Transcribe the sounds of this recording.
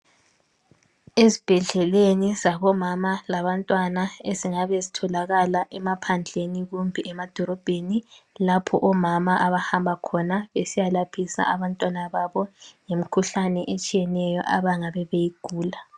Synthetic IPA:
ezib̥ʱɛɮɛlenizaβɔmamalaβantʼwanaeziŋaβezitʰɔlaɣalaʔɛmapʰand͡ɮʱeniɣumbʱiʔɛmad̥ʱɔɾɔb̥ʱenilapʰɔʔɔmamaʔaβahambʱakʰɔnaβesijalapʰisa̰ʔaβantʼwanaβaβɔjem̩kʰuɬanɛʔet͡ʃʼijɛnɛjɔ̰ʔaβaŋaβɛβejiɡ̥ʱuːla

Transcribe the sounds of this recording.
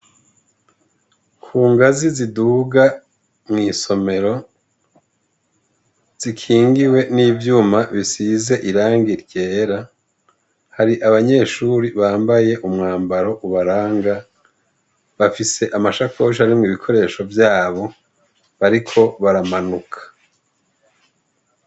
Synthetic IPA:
kʰuːŋɡaziziduɡa | mŋiːso̞me̞ɾo̞ | z̥ikʰiːŋɡiwe̞niːvjuːmaβisize̞ʔiɾaːŋɡiɾɟe̞ːɾa | haɾiʔaβaɲe̞ːʃuːɾiβaːmbaje̞ʔumŋaːmbaɾo̞ʔuβaɾaːŋɡa | βafise̞ʔamaʃakoʃ̬haɾimŋiːβikʰo̞ɾe̞ːʃo̞vjaːβo̞ | βaɾikʰo̞βaɾamanukʰḁ

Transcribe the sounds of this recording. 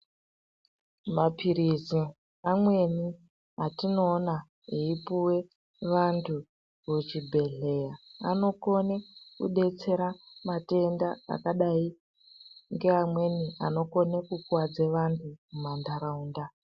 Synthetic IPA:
mapʰiɾizi | amwe̞ni | atino̞ːna | eipuwe̞ | ʋantʰu | ut͡ʃibʱe̞ɮe̞jaa̰no̞ko̞nekṵɗe̞t͡se̞ɾamate̞ndaa̰kaɗai | ŋɡe̞amwe̞niano̞ko̞ne̞kukwad͡zeʋantʰumumandaɾauːnda

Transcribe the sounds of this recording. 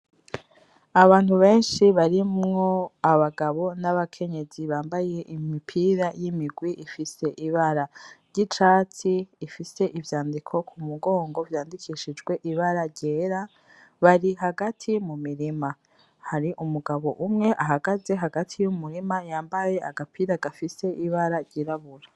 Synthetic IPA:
aβaːn̥huβe̞ːnʃiβaɾimŋo̞aβaɡaβo̞naβakʰe̞ɲe̞ziβaːmbaje̞ʔimipʰiɾajimiɡwiʔifise̞ʔiβaɾaɾɟit͡ʃaːt͡siːfise̞ʔivjaːndikʰo̞kʰumuɡo̞ːŋɡo̞vjaːndikʰiːʃid͡ʒɡwe̞ʔiβaɾaɟeːɾa | βaɾiɦaɡatʰimumiɾima | haɾiʔumuɡaβo̞̰ʔumŋe̞ʔaɦaɡaze̞ɦaɡatʰijumuɾimajaːmbaje̞ʔaɡapʰiːɾaɡafise̞ʔiβaɾaɾɟiɾaβuɾa

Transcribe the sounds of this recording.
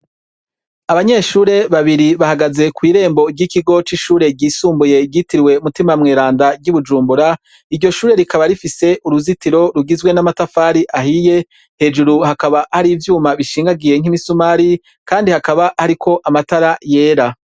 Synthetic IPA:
aβaɲe̞ʃuːɾe̞βaβiɾiβahaɡaze̞kwiːɾe̞ːmbo̞ɟikiɡo̞t͡ʃiʃuːɾe̞ɡɟiːsuːmbuje̞ɡɟitiɾiwe̞umutimamŋeːɾaːndaɟuβud͡ʒuːmbuɾa | iɾɟo̞ʃuːɾe̞ɾikʰaβaɾifise̞ʔuɾuzitiɾo̞ɾuɡizɡwe̞namatafaːɾiʔaɦije̞ | he̞d͡ʒuɾuhakaβahaɾiːvjuːmaβiʃiːŋɡaɡije̞ŋ̥imisumaɾi | kaːndihakaβahaɾikʰo̞ʔamataɾaje̞ːɾa

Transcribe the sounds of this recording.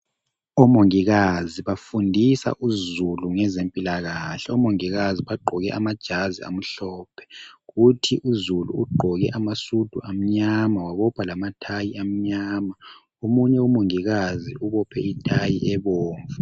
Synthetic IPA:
ɔmoŋiɣaziβafundʱisa̰ʔuzuluŋɛzempʼilaɣaɬɛɔmoŋiɣaziβaɡ͡ǃʱɔɣɛʔamad̥ʒ̥ʱazia̰m̩ɬɔːpʰɛ̥ɣutʰiʔuzulṵuɡ͡ǃʱɔɣɛʔamasud̥ʱuʔam̩ɲamawaβɔpʰalamatʰajiam̩ɲaːma | omuɲɛumoŋiɣaziuβɔpʰɛitʰajiʔɛβɔːɱvu

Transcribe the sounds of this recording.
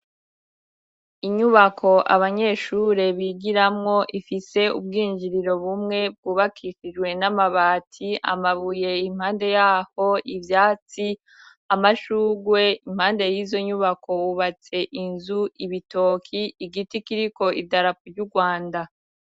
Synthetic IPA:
iɲuβakʰo̞ʔa̰βaɲe̞ːʃuɾe̞βiɡiɾamŋo̞ʔifise̞ṵbɡiːnd͡ʒiɾiɾo̞βumŋe̞b̚ɡuːβakʰiʃid͡ʒɡwe̞namaβaːtʰia̰maβuje̞im̥haːnde̞jaːho̞ivjaːt͡si | amaʃuːɡwe̞imhaːnde̞jiːzo̞ɲuβakʰo̞wuβat͡se̞ʔinzuiβito̞kʰiiɡitikiɾiko̞ʔidaɾakuɾɟuɾɡwaːnda

